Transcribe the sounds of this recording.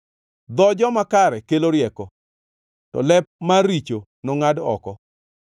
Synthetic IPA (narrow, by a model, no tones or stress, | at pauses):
d̪ɔd͡ʒɔmakaɾɛkeloɾjɛkɔ | tɔ̰lɛp̚maɾit͡ʃo | nɔŋadɔ̰kɔ